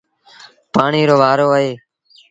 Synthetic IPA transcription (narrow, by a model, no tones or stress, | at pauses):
paːɳiːɾoːʋaːɾoːəɦeː